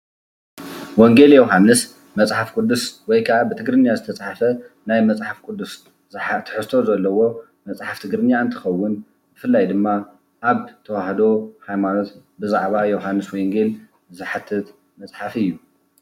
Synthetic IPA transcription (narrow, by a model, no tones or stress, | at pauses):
woŋɡe̞ljewɦanːɨs | mɐt͡sʼħafkʼud̪ːuswɔjkʰaʔabɨt̪ʰɨɡɾɨnijazɨt̪ʰɐt͡sʼħafɐ | najmɐt͡sʼħafkʼʊd̪ːus | zħt̪ʰɨ̥ħɨst̪ʰo̞zɐlːɐwo̞ | mɐt͡sʼħaft̪ʰɨɡɾɨnjaɨnt̪ʰɨ̥xɐwːʊn | bɨfɨlːajd̪ɨmːa | ʔːβt̪ʰɐwaħd̪o̞hajmano̞t̪ | bɨzaʕβajɛwɦanːɨswɔjŋɡe̞l | zɨħat̪ʰːɨt̪ | mɐt͡sʼħafɨjːu